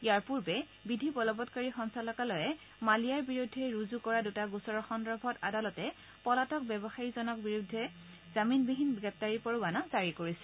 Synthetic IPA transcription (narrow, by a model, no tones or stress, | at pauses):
ijaɹpuɹbɛ | bidʱibɔlɔbɔtkaɹixɔŋsalɔkalɔjɛ | malijaɹbiɹudʱːɛɹuzukɔɹadutaɡusɔɹɔxɔndɹɔbʱɔtadalɔtɛ | pɔlatɔk̚bɛbɔxaɹizɔnɔk̚biɹudʱːɛ | z̥aminbiɦinɡɹɛp̚taɹipɔɹubanazaɹikoɹisɛ̥